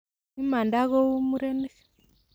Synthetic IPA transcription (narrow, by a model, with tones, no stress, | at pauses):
i˦ma˨nda˦ɣɔ˦u˦mu˦ɾɛ˦ne˦